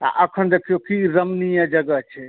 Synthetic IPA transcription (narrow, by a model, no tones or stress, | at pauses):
a̰ʔəkʰənd̪ekʰijokiɾəmnijə̃d͡ʒəɡət͡ʃʰɛ